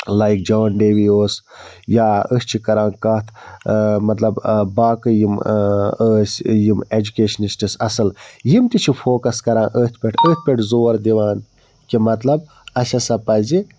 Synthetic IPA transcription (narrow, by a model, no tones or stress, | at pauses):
lajik̚d͡ʒɐʋɐnɖeːʋioːs | jaːəsʲt͡ʃʰikɐɾãːnkɐːt̪ʰmɐt̪lɐbbaːkɨjiməːsjimed͡ʒukeːʃɐnisʈisɐsɐljimt̪it͡ʃʰifʰoːkɐskɐɾãːnʔəːt̪ʰpʲeʈʰəːt̪̚ʰpʲeʈʰzoːɾd̪iʋaːn | kimɐt̪lɐb | ɐʃɐsɐpɐzi